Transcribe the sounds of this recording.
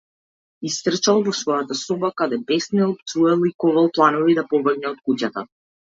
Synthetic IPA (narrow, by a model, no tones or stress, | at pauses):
ist̪r̩t͡ʃalˠvɔsvɔjat̪asɔbakad̪ɛpɛsniɔp̚t̪suɛlˠikɔvalˠplˠanɔvid̪apɔvr̩ɡnɛɔt̪̚kucat̪a